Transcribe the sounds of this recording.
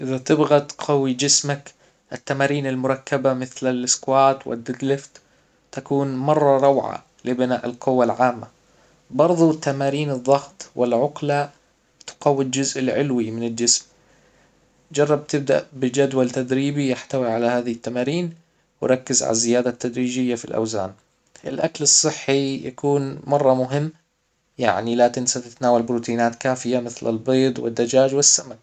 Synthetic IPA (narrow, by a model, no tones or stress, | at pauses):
ʔɪðat̪ɪbɣat̪qʰɑwid͡ʒɪsmak | ʔɪt̪ːamaːɾiːnalmʊɾˤɑkːabamɪθlalɪskwaːt̪wɪ̰d̪ːɪɡ̪lɪft̪ | t̪akuːnmɑrˤːɑɾˤɑwʕa̰ | lɪbɪna̰ːʔɪlqʊwːalʕaːmːa | bɑɾˤðˤut̪ːamaːɾiːnɨðˤːɑɣt̪ˤwɪlʕʊqla | t̪qɑwːild͡ʒʊzʔɪlʕɪlwimɪnɪld͡ʒɪsm | d͡ʒɑrˤːɑb̚t̪ɪb̚d̪a̰ʔbɪd͡ʒad̪walt̪ad̪ɾiːbijaħt̪awiʕalahaːðaɪt̪ːamaːɾiːn | wɪ̰ɾˤɑkːɪzʕa̰lazɪjaːd̪at̪ːad̪ɾiːd͡ʒɪjːafḭlʔa̰wza̰ːn | ʔɪ̰lʔaklɨsˤːɨħːija̰kuːnmɑrˤːɑmʊɦɪmː | ja̰ʕnilat̪ɪnsat̪ɪt̪naːwalbɾuːt̪iːnaːt̪kaːfɪjamɪθlɪ̰lbeːd̪ˤwɪ̰d̪ːad͡ʒaːd͡ʒwɪsːamak̚